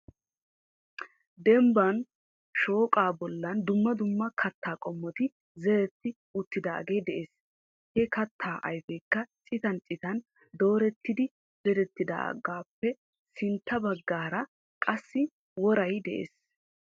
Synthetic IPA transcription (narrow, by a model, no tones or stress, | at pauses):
d̪ɛmbɐn | ʃo̞ːkʼaːbɔlːɐnd̪ʊmːɐd̪ʊmːɐkʰɐt̪ːaːkʼɔmːɔt̪ɪ | zɛɾɛt̪ːɪ | ʊt̪ːɪd̪a̰ːɡe̞ːd̪ɛʔeːs | hɛkɐt̪ʰːaːʔɐjfɛkːɐt͡ʃʼɪt̪ɐnt͡ʃʼɪt̪ɐn | d̪o̞ːɾɛt̪ːɪd̪ɪ | zɛɾɛt̪ːɪd̪a̰ːɡaːpːɛ | sɪnt̪ːɐbɐɡːaːɾɐ | kʼɐsːɪ | wɔɾɐjd̪ɛʔḛːs